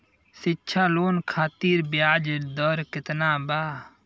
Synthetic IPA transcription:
sɪːt͡ʃʰaːloːnkʰaːt̪iːɾbjaːd͡ʒd̪ɔːɾkɪt̪naːbaː

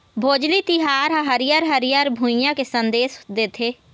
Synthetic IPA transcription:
bʱoːd͡ʒlit̪ɪɦaːɾɦãɦəɾɪjəɾɦəɾijəɾbʱʊjãkesə̃nd̪eːsd̪eːt̪ʰeː

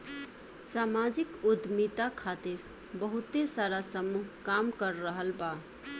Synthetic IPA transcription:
samad͡ʒikud̪mit̪akʰat̪iɾ | bəɦut̪esaɾasəmuɦkamkəɾːəɦəlba

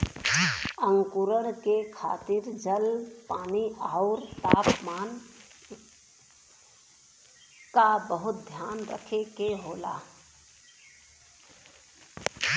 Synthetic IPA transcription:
əŋkuɾəɽ̃kekʰa̰ːt̪iɾd͡ʒəlpaːniaʊɾt̪aːpmaːn | kabəɦʊt̪̚d̪ʱjaːnɾə̰kʰekeɦoːla̰

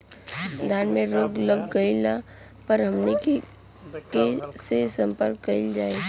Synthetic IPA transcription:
d̪ʱjaːnmẽɾoːɡləɡːɐila | pəɾɦɐmneke | kesesɐ̃mpəɾkːɐɪld͡ʒaːe

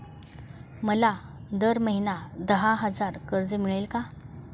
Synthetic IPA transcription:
məlad̪əɾməɦinad̪əɦaɦəd͡zaɾkəɾd͡zəmiɭelka

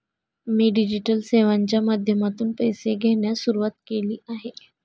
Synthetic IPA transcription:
miːɖid͡ʑiʈəlseʋaɲt͡ɕjamad̪ʱjəmat̪uːnpəjseɡʱeɳjasuɾuʋat̪̚keliːaɦe

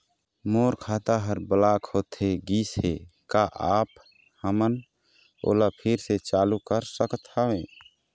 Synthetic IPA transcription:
moːɾkʰaːt̪aɦəɾbəlaːkʰhoːt̪ɦeɡiːsɦekaʔaːp | həmən | o̰ːlapʰɪɾset͡ʃaːlukəɾsəkt̪aʋẽː

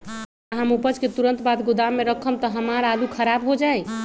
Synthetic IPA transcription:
əɦamupəd͡ʒket̪uɾənt̪bat̪ɡud̪amːeɾəkʰəmt̪ɔɦəmaɾalukʰəɾabɦod͡ʒaj

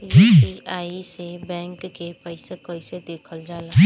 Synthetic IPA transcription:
iiaːisebɛ̃ːŋkːepəɪsekəɪsed̪eːkʰəld͡ʒaːlai

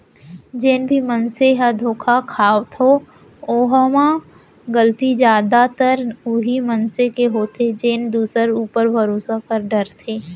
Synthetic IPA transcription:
d͡ʒeːnbʱimənseɦad̪ʱoːkʰakʰaːʋt̪ʰo | oːɦəma | ɡəlt̪id͡ʒjaːd̪at̪əɾuɦimənsekeɦoːt̪ʰed͡ʒeːnd̪uːsəɾuːpəɾbʱɐɾoːsakɐɾɖəɾt̪ʰeː

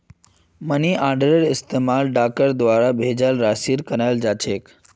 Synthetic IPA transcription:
məniʔaːɾɖəɾeɾɪst̪emaːlɖakəɾd̪ʋaːɾabʱed͡ʒalɾasiːɾkəɾajld͡ʒat͡ʃʰeːk

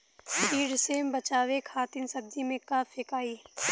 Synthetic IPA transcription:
ʃiːɽsembɐt͡ʃaːʋekʰaːt̪ɪnsɐb̚d̪imẽkaːfʰekaːiː

